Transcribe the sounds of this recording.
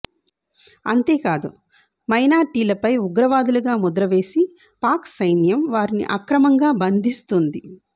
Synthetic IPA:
ɐnt̪e̞ːkaːd̪u | mɐjnaːɾʈiːlɐpɐjuɡɾɐʋaːd̪uluɡaːmud̪ɾɐʋe̞ːsi | paːksɐjnjɐmʋaːɾinḭʔɐkɾɐmɐŋɡaːbɐnd̪ʱist̪und̪i

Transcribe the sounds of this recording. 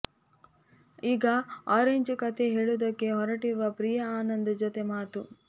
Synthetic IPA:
iːɡɐaːɾeɲd͡ʒkɐt̪ʰe̞ɦeːɭud̪ɐkːe̞ɦɔɾɐʈiɾʋɐpɾijɐaːnɐnd̪ɐd͡ʒot̪e̞maːt̪u

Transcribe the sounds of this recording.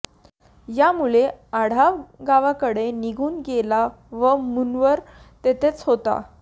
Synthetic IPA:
jamuleaɽ̤aɡaʋakəɽeniɡʱuːnɡela | ʋəmunʋəɾ | t̪et̪et͡sɦot̪a̰

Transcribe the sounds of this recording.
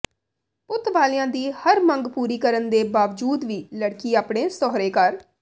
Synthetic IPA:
pʊt̪ʋaːlɪjãːd̪iːhəɾməŋɡpuːɾiːkəɾənd̪eːbaːʋd͡ʒuːd̪ʋiːləɽkiːaːpɳeːsɔːɾeːkəɾ

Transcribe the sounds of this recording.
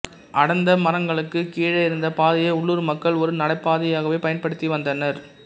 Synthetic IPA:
ʔɐɽɐnd̪ɐmɐrɐŋɡɐɭɯkːɯkiːɻɐɪɾɯnd̪ɐpaːðɪjɐʊɭːuːɾmɐkːɐɭɔɾɯnɐɽɐɪpːaːðɪjaːɣɐʋeːpɐjɐnpɐɽɯt̪ːiʋɐnd̪ɐnɐɾ

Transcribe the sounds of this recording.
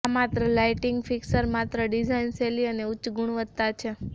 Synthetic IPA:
amat̪ɾəlaiʈiŋɡfiksəɾmat̪ɾəɖid͡ʒainseliəneut͡ʃːɡʱuɽ̃ʋət̪ːat͡ʃʰe

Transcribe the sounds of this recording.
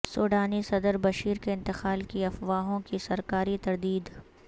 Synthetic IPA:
soːɖaːnisɐd̪əɾbɐʃiːɾkeɪ̃nt̪ɪqaːlkiɐfʋaːɦõkisɐɾkaːɾit̪ɐɾd̪iːd̪

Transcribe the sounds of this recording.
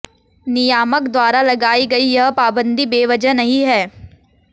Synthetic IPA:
nɪjaːməkd̪waːɾalɐɡaːiɡɐijɐɦpaːbə̃nd̪ibeːʋɐd͡ʒənɐɦĩɦɛː

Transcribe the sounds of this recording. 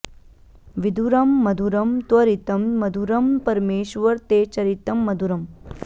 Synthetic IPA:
ʋid̪ʱuɾɐmːɐd̪ʱuɾɐmt̪wɐɾit̪ɐmːɐd̪ʱuɾɐmpɐɾmeːʃʋɐɾt̪eːt͡ʃɐɾit̪ɐmːɐd̪ʱuɾɐm

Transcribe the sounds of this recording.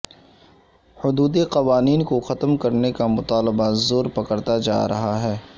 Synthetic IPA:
hʊd̪uːd̪eqɐʋaːniːnkoxɐt̪mkɐɾnekamʊt̪aːlɪbazoːɾpɐkəɾt̪ad͡ʒa̰ːɾɐɦaɦɛː

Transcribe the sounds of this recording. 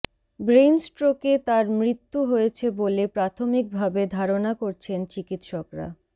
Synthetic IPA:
bɾensʈɾoket̪aɾmɾit̪ːuɦojet͡ɕʰebolepɾat̪ʰomik̚bʱabed̪ʱaɾonakoɾt͡ɕʰent͡ɕikit̪ʃɔkɾa̰

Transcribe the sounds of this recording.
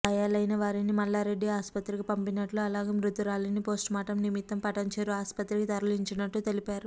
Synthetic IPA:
ɐjaːlɐjnɐʋaːɾinimɐlːaːɾe̞ɖːiaːspɐt̪ɾikipɐmpinɐʈluɐlaːɡeːmɾut̪uɾaːlɐnipo̞ːsʈmaːʈɐmnimit̪ːɐmpɐʈɐɲt͡ʃeːɾuaːspɐt̪ɾikit̪ɐɾɐliɲt͡ʃinɐʈːut̪e̞lipaːɾu

